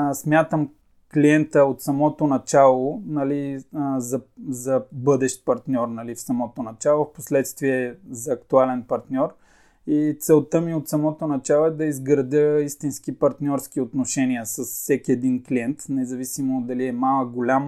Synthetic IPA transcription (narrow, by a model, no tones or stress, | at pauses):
smʲjat̪əm | kliɛnt̪əot̪sɐmɔt̪onɐt͡ʃalˠonɐlizɐzɐbɤd̪ɛʃt̪̚pɐɾt̪nʲɔɾnɐlifsɐmɔt̪onɐt͡ʃalˠofposlɛt̪st̪viɛzɐːkt̪ualɛnpɐɾt̪nʲɔɾ | it̪sɛlˠt̪əmiot̪sɐmɔt̪onɐt͡ʃalˠoɛd̪ɐizɡɾɐd̪ʲəist̪inskipɐɾt̪nʲɔɾsk̟iot̪noʃɛniəsəssɛkʲiɛd̪inkliɛnt̪nɛzɐvisimod̪ɐliɛmalˠəɡolʲam